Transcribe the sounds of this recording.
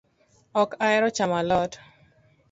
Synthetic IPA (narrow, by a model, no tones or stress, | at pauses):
ɔkaɛɾɔt͡ʃamalɔt